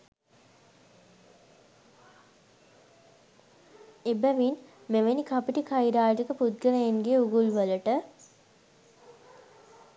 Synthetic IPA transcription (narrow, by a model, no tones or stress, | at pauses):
ebəʋin | meʋenikapiʈikʰajɾaːʈikəpud̪̚ɡəɾejenɡeuɡulʋələʈə